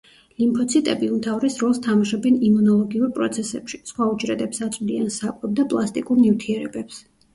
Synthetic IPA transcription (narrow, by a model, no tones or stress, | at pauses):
limpʰɔt̪sʰit̪ʼɛbiumt̪ʰavɾɛsɾɔlˠst̪ʰamaʃɔbɛnimunɔlˠɔɡiuɾpʼɾɔ̰t̪sʰɛsɛpʃi̥sχwaud͡ʒɾɛd̪ɛpsat̪sʼd̪iansakʼwɛb̚d̪apʼlˠast̪ʼikʼuɾnift̪ʰiɛɾɛbɛps